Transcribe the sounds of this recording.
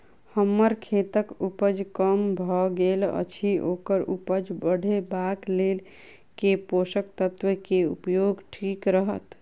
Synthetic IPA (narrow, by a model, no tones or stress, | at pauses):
həmːəɾkʰet̪əkupəd͡ʒkəmbʱɔɡelə̰t͡ʃʰiʔokəɾupəd͡ʒbəɽ̤ʱebaklel | keposək̚t̪ət̪ʋəkeṵpjoɡʈʰikɾəɦət̪